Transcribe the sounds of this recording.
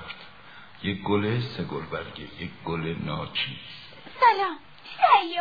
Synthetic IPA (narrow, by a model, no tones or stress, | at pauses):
ft̪ | jek̚ɡoleseɡolbæɾɡejekɡolenɒːt͡ʃʰis | sælɑːm | hej